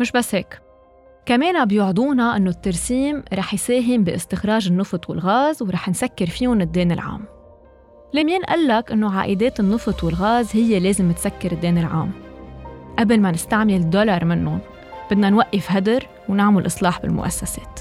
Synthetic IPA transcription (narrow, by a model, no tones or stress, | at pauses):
mɪʃbasːheːk | kameːnabjʊʕd̪ˤuːnaʔɪnːot̪ːaɾˤsiːmɾˤɑːħjseːɦɪmbɪʔɪst̪ɪxɾɑːʒɪnːɨft̪ˤwɪ̰lɣaːzwɾˤɑːħnsakːɪɾfiːʊnɪd̪ːeːnɪlʕa̰ːm | lemiːnʔa̰lːakʔɪnːoʕa̰ːʔɪd̪eːt̪ɪnːɨft̪ˤwɪlɣaːzhɪjːeleːzɪmːɪt̪sakːɪɾɪd̪ːeːnɪlʕa̰ːm | ʔabɪlmanɪst̪aʕmɪlɪd̪ːolɑɾˤmɪnːʊn | b̥ɪd̪nanwaʔːɪfɦad̪ɪɾ | wnaʕmʊlʔɨsˤlɑːħbɪ̰lmʊ̰ʔa̰sːaseːt̪